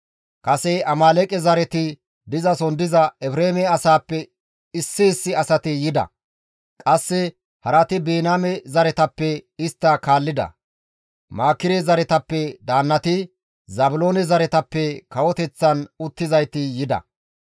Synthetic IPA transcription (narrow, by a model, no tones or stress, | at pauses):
kʼɐsɛɐmaːlɛkʼɛzɐɾɛt̪ɪ | d̪ɪzɐsɔnd̪ɪzɐɛbɾeːmɛɐsaːpːɛ | ɪsːɪːsːɪɐsɐt̪ɪjɪd̪ɐ̰ | kʼɐsːɛ | hɐɾɐt̪ɪbeːnaːmɛzɐɾɛt̪ɐpːɛɪst̪ːɐkaːlːɪd̪ɐ̰ | maːkːɪɾɛzɐɾɛt̪ɐpːɛd̪aːnːɐt̪ɪ | zɐbʊlo̞ːnɛzɐɾɛt̪ɐpːɛkɐwɔt̪ɛt͡sːɐnʊt̪ːɪzɐjt̪ɪjɪd̪ɐ̰